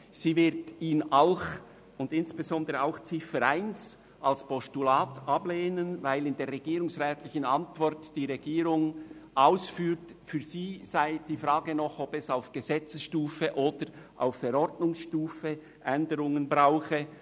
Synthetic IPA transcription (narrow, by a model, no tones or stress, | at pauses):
siːvɪʁtiːnaʊx | ʊndɪnsb̥ezɔndəɾəaʊxt͡sɪfəɾaɪns | ʔalspɔstulaːtɑbleːnənvaɪlɪndeːʁɛɡiːɾʊŋsʁɛːtlɪçənɑntv̥ɔrtd̥iːʁɛɡiːɾʊŋʔaʊsfyːɾt | fyːɐziːz̥aɪd̥iːfʁaːɡənɔχɔbɛsaʊfɡ̥əzɛt͡səsʃtuːfəʔoːd̥əɾʔa̰ʊfːɛɾɔɾdnʊŋsʃtuːfə | ʔɛndəɾʊŋənbʁaʊxə